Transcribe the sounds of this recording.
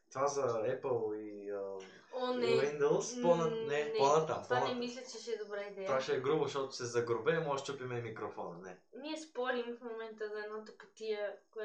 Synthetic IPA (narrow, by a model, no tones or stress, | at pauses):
t̪ovazɐɛpəlˠiə | ɔnɛind̪olˠsnpɔnənɛɔnət̪əanɛmislʲɐt͡ʃɛʃɛɛd̪obɾaid̪ɛvaʃɛːɡɾuboʃɔt̪ʊ̥sɛzɐɡɾobɛmɔʃt̪t͡ʃ̪opimɛmikɾofɔnɐnɛniɛspɔɾimfmomɛnt̪əzɐɛd̪nɔt̪okɐt̪iəkɛ